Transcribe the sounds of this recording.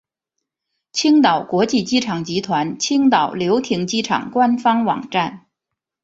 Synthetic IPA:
t͡ɕʰi˥ŋt̪ɑ˨˩ʊkwɔ˧˥t͡ɕi˥˩t͡ɕi˥ʈ͡ʂʰɑ˨˩ŋt͡ɕi˧˥t̪ʰwa˧˥nt͡ɕʰi˥ŋt̪ɑ˨˩ʊljo˧˥ʊt̪ʰi˧˥ŋt͡ɕi˥ʈ͡ʂʰɑ̰˨˩ŋkwa˥nfɑ˥ŋwɑ̰˨˩ŋʈ͡ʂa˥˩n

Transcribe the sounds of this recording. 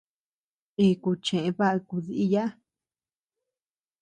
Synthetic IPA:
i˧ku˧t͡ʃẽ˨ʔẽ˧βa˦ʔa˧ku˧ði˧ʔi˧ja˦

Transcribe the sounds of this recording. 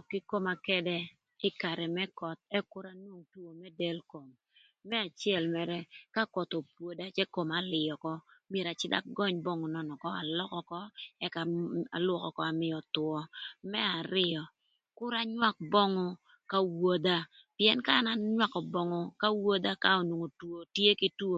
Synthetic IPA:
kɪ˦ko˦ma˨kɛ˦dɛ˦ | ɪ˦ka˨ɾɛ˨mɛ˦kɔ˨t̪̚ɛ˦kʊ˦ɾa˦nwo˦ŋtu˦o˨mɛ˦dɛ˦lko˨mː | ɛ˦a˨t͡ʃjɛ˦˨lmɛ˨ɾɛ˦ka˦kɔ˨t̪o˨pwo˨da˦t͡ʃɛ˦ko˨ma˨lɪ˨jɔ˨kɔ˦mje˨ɾa˨t͡ʃɪ˦da̰˦ɡɔ˦ɲbɔ˦ŋɔ˨nɔ˨nɔ˨kɔ˦a˨lɔ˦kɔ˨kɔ˦ɛ˦ka˨a̰˨lwɔ˨kɔ˨kɔ˦a˨mɪ˨ɔ˨t̪wɔ˦mɛ˦a˨ɾɪ˦ɔ˨ | kʊ˦ɾa˦ɲwa˦k̚bɔ˦ŋɔ˦ | ka˦wo˦d̪a˦ | pɪ˦ɛ˦nkaː˦na˦ɲwa˦kɔ˨bɔ˦ŋɔ˨ka˦wo˦d̪a˦ka˦o˨nwo˨ŋo˨two˨tje˦ki˦tu˦o˦˨

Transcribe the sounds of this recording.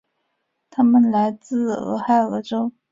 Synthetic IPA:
t̪ʰa˥mə˨nla˧˥ɪt͡sɹ̩˥˩ɤ̰˧˥xa˥˩ɪɤ˧˥ʈ͡ʂo˥ʊ

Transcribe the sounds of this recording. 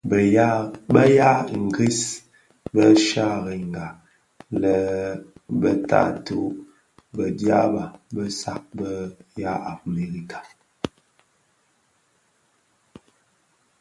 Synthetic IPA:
bə˦ja˦ŋ̩˨ɡi˦s | bə˦ʃa˦ɣə˨ŋ˨ɡa˨ | lə˨ | bə˦ta̰˦˨tu˦ | bə˨dja̰˦ba˨bə˦sa̰˨k̚bə˦ja˦a˨me˨ɾi˦kḁ˨

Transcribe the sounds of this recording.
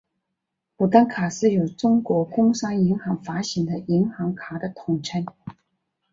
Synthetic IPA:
pu˨˩t̪a˥nkʰa˨˩ʂɻ̩˥˩jo˨˩ʊʈ͡ʂʊ˥ŋkwɔ˧˥kʊ˥ŋʂɑ˥ŋi˧˥ŋxɑ˧˥ŋfa˧˥ɕi˧˥ŋd̪ə˧i˧˥ŋxɑ˧˥ŋkʰa˨˩d̪ə˧t̪ʰʊ˨˩ŋʈ͡ʂʰə˥n

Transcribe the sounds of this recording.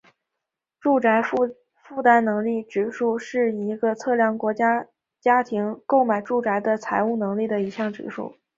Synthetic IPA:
ʈ͡ʂu˥˩a˧˥ɪ˥˧ | fu˥˧t̪a˥nnɤ˧˥ŋli˥˩ʈ͡ʂɻ̩˧˩ʂu˥˧ʂɻ̩˥˩i˧˥ɡə˧t͡sʰɤ˥˩ljɑ˧˥˩ŋkwɔ˧˥t͡ɕja˥ | t͡ɕja˥t̪ʰi˧˥ŋko˥˩ʊma˨˩ɪʈ͡ʂu˥˩ʈ͡ʂa˧˥ɪd̪ə˧t͡sʰa˧˥ɪu˥˩nɤ˧˥ŋli˥˩d̪ə˩i˧˥ɕjɑ˥˩ŋʈ͡ʂɻ̩̰˧˥ʂṵ˥˩

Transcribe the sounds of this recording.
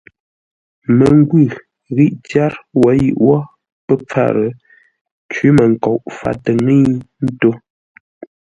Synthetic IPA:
mə˨ŋ˦ɡwʉ˦˨ | ɣi˦ʔtja˦ɾwɔ˨˦jḭ˦˨ʔwɔ˦ | pə˦p͡fa̰˦˨ɾə˨ | t͡ʃwi˨˦mə˨ŋ̩˨kɔ˨ʔfa̰˨tə˨ŋi˦n̩˦to˦

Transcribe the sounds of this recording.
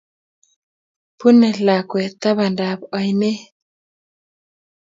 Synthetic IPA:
pu˦ne˨la˨kwɛ˨t̪a˦βa˨nda˨bɔ˨jne˦

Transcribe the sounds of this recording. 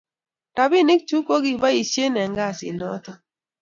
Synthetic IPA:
ta˨bi˦˨nɪ˦k̚t͡ʃu˦ko˦ɡi˦ba˦i˨ʃje˦nɛ˨ŋɡa˦˨sɪ̰˨nɔ˦tɔ˦

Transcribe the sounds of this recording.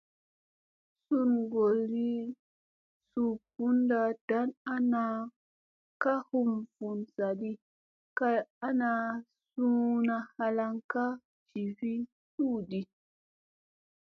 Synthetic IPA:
su˦nŋɡo˨lɾi˦ | su˦pu˦nda˦˨d̥a˨˦na˦na˦ | ka˦hu˦mvu˨nsa˨di˦ | ka˦a˦na˧ | su˦na˧ha˧la˦ŋka˦ | d͡ʒi˨vi˦ | su˦˨di˦

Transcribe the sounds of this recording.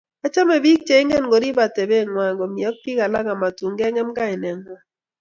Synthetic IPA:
a˦t͡ʃa˦mɛ˨bi˦k̚t͡ʃe˨˦ɪ˦ŋɡɛ˦˨nɡo˨ɾi˦ba˨te˨be˦˨ŋwa˨ŋɡo˨mi˨ɔ˦k̚pi˦ka˨la˦ɡa˨ma˨tu˨ŋɡɛ˦ŋɛ˦mɡa˦ɪ˨nɛ˨ŋwa˦

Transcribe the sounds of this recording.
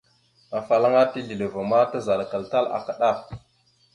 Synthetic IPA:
a˨fa˨la˦ŋa˦ti˦ɮi˨le˨va˨ma˦ta˦za˨lka˨lta˦la̰˨ka˨ɗa˦˨f

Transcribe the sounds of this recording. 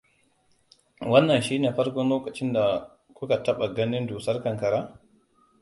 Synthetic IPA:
wɐ˦nːɐ˨nʃiː˦neː˨ɸɐ˦ɾkɔ˦nloː˦kʼɐ˨t͡ʃɪ˦nda˨ | kʷʊ˦ka˨tɐ˦ɓa˨ɡɐ˦nɪ˦nduː˨sɐ˦rkɐ˨ŋkɐ˨ɾaː˦

